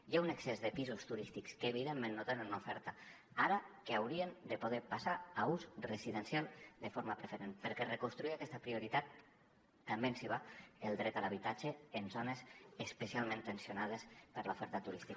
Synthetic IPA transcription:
jauneksezðəpizust̪uɾist̪ikskəːβiðemːẽnːot̪enənunufɛɾt̪a | aɾakeawɾiend̪əpoðepasaːuzreziðənsjalˠd̪əfoɾmapɾefeɾenpəɾkɛrekonst̪ɾuiakɛst̪apɾioɾit̪at̪̚ | ambensiβaelˠd̪ɾɛt̪alaβ̞it̪ad͡ʒeːnzonezəspəsialˠmẽnt̪ensionað̞espəɾlaufɛɾt̪at̪uɾist̪ik

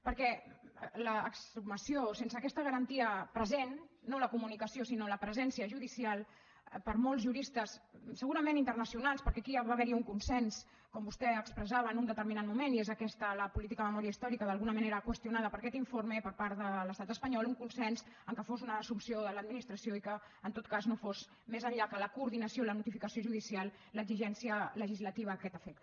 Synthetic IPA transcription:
pəɾkɛ | ləːksuməsiosensəːkɛst̪əɣəɾənt̪iəpɾəzenːoləkumunikəsiosinoləpɾəzɛnsiəʒuðisialˠ | pəɾmolˠzʒuɾist̪əssəɣuɾəmẽnint̪ərnəsiunalˠspəɾkɛkiaβaβɛɾiuŋkunsɛns | kɔmbust̪ɛəkspɾəzaβəːnund̪ət̪əɾminat̪̚mumeniezəkɛst̪ələpulit̪̬ikəəməmɔɾiəist̪ɔɾikəðəlˠɣunəməneɾəkwəst̪iunað̞əpəɾkɛt̪iɱformepəɾpaɾt̪ðələst̪at̪əspəɲɔlˠuŋkunsɛnzəŋkəfozunəːsumsioðələd̪minist̪ɾəsioikəː | nt̪ot̪̚kaznofoz | mezəɲʎakələkuɾðinəsioilənut̪ifikəsioʒuðisialˠ | ləɡziʒɛnsiələʒizlət̪iβ̞əəkɛt̪əfɛk̚t̪

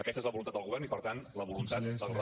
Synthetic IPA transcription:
əkɛst̪əezləβulunt̪at̪d̪əlɣuβɛɾnipəɾt̪anləβulunt̪at̪d̪ə

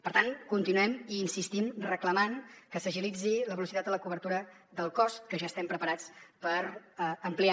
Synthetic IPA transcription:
pəɾt̪aŋkunt̪inuɛmiːnsist̪imrəkləmaŋkəsəʒilid͡ziləβəlusit̪at̪ələkuβəɾt̪uɾə | ðəlˠkɔst̪̚kəʒaəst̪ɛmpɾəpəɾat͡spəɾəmplia

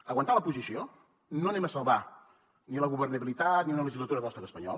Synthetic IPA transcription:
əɣwənt̪aləpuzisio | nonẽməsəlˠβa | niləɣuβərnəβilit̪at̪niunələʒizlət̪uɾəðələstat̪əspəɲɔ̰lˠ

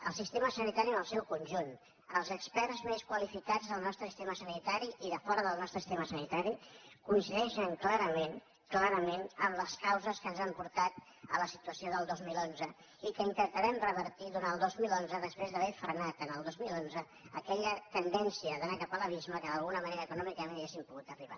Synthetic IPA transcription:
ə̰lˠsist̪eməsənit̪aɾiənəlˠsɛwkunʲʒun | əlˠzəkspɛɾzmeskwəlifikad͡zðəlˠnɔst̪ɾəsist̪eməsənit̪aɾiʔiðəfɔɾəðəlˠnɔst̪ɾəsi̥st̪eməsənit̪aɾikuinsiðɛʃəŋklaɾəmen | klaɾəmenəmləskawzəskənzampuɾt̪at̪ | ə̰ləsit̪uəsioðəlˠd̪ozmilonzə | ikəint̪ənt̪əɾɛmrəβəɾt̪iðuɾanəlˠd̪ozmilˠonzəðəspɾezðəβ̞ɛfɾənat̪ənəlˠd̪ozmilonzə | əkɛʎət̪ənd̪ɛnsiəðənakapaləβ̞izməkəðəlˠɣunəməneɾəːkunɔmikəniɣesimpuɣut̪əriβa

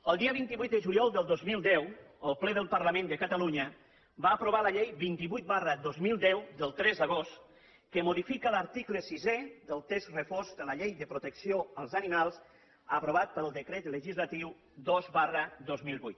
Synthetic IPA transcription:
əlˠd̪iəβint̪iβujt̪̚d̪əʒuljɔlˠd̪əlˠd̪ozmilˠd̪ɛwəlˠplɛðəlˠpəɾləmẽnd̪əkət̪əluɲə | baːpɾoβaləʎejbint̪iβujt̪̚barəd̪ozmilˠd̪ɛwd̪əlˠt̪ɾɛzðəɣost̪ | kəmuðifikələɾt̪ikləsizɛðəlˠt̪ɛsrəfozd̪ələʎejðəpɾut̪əksioəlˠzənimalˠs | əpɾoβ̞at̪̚pəlˠd̪əkɾɛt̪ləʒizlət̪iw | d̪ozβarəd̪ozmilˠβujt̪

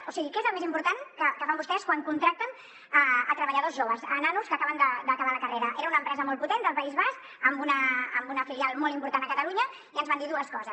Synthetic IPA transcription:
usiɣikɛezəlˠmezimpuɾt̪ankəkəfambust̪ɛskwaŋkunt̪ɾak̚t̪ən | əət̪ɾəβəʎəðozʒoβəsənanuskəkaβənd̪əd̪əkəβaləkəreɾəʔeɾəunəmpɾɛzəmɔlˠput̪end̪əlˠpəizβask | əmbunəə̰mbunəfilialˠmɔlˠimpuɾt̪anəkət̪əluɲə | iənzβand̪iðuəskɔzəs

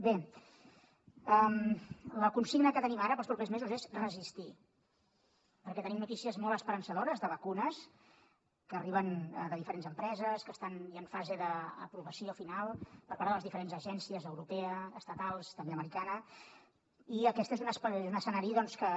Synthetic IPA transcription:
be | əmləkunsiɡnəkət̪ənimaɾəpəlˠspɾupezmezuzezrəzist̪i | pəɾkɛt̪ənimnut̪isiəzmolˠəspəɾənsəðoɾəzðəβəkunəs | kəːriβ̞ənd̪əðifəɾenzəmpɾɛzəskəst̪aniəɱfazeðə̰ːpɾuβəsiofinalˠpəɾpaɾðələzðifəɾenzəʒɛnsiəzəwɾupɛəːst̪ət̪alˠst̪əmbeəməɾikanə | iəkɛsezunəspezunəsənaɾiəðɔnskə

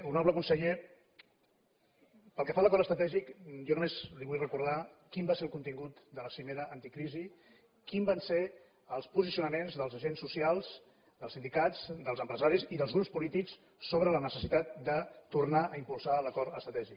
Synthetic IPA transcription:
unɔβləkunsəʎe | pəlˠkəfaləkɔɾəst̪ɾət̪ɛʒikjɔnumezliβujrəkuɾð̞akimbaseəlˠkunt̪iŋɡut̪d̪ələsimeɾəʔːnt̪ikɾizi | kimbanse | əlˠspuzisiunəmenzðəlˠzəʒensːusialˠz | d̪əlˠsind̪ikazd̪əlˠzəmpɾəzaɾiziðəlˠzɣɾupspulit̪iksː | oβɾələnəsəsit̪at̪̚d̪ət̪urnaʔəimpulˠsaləkɔɾəst̪ɾət̪ɛʒik

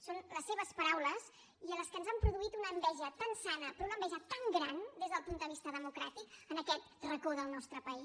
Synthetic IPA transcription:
sonləsːeβəspəɾawləs | iələskənzampɾuðuit̪unəːmbɛʒət̪ansanəpəɾunəmbɛʒət̪aŋɡɾand̪ezðəlˠpunt̪d̪əβ̞ist̪əðəmukɾat̪ikənəkɛt̪̚rəkoðəlˠnɔst̪ɾəpəi

